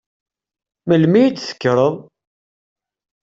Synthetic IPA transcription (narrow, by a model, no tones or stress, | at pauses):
məlmijit͡sːθə̥kːɾˤəðˤ